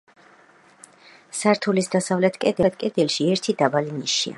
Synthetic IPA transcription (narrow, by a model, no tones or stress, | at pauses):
saɾt̪ʰulisd̪asavlɛt̪ʰkʼɛd̪ɛt̪ʰkʼɛd̪ɛlˠʃiɛɾt̪ʰid̪abaliniʃḭa̰